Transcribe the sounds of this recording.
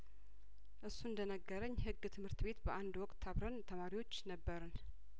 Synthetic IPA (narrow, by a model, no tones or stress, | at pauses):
ʔɨsːuɨnd̪ənəɡːəɾəɲːhɨɡːt̪ʰɨmhɨɾt̪ɨbe̞t̪bəʔand̪wɔkʼt̪ʰːaβɾənt̪ʰəmaɾiwot͡ʃːnəbːəɾən